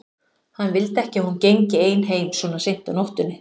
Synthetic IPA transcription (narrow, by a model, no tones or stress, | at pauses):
hanːvɪlt̪ɛhcɪahuncejɲcɪeːjnɦeːjmsɔːnasejn̥t̪anowht̪ʏnːɪ